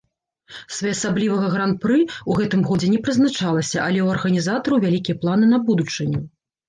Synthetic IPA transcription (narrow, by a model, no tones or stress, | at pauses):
svajɛɐsablʲivɐɣɐɣɾan̚pɾɨuɣɛt̪ɨmɣɔd͡zʲɛnʲɛpɾɨznat͡ʂalˠɐsʲɐʔɐlʲɛwɐrɣɐnʲizat̪ɐɾuvʲalʲikʲijɐplˠanɨnɐbud̪ut͡ʂɨnʲɛ